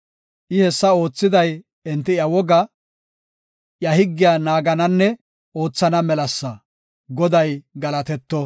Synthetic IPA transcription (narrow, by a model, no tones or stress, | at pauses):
ʔɪhɛsːɐo̞ːt͡sːɪd̪ɐj | ɪnt̪ːɪjɐwɔɡɐ | jɐhɪɡːɪjaːnaːɡɐnɐnːɛ | o̞ːt͡sːɐnɐmɛlɐsːɐ | ɡɔd̪ɐjɡɐlɐt̪ɛt̪ːɔ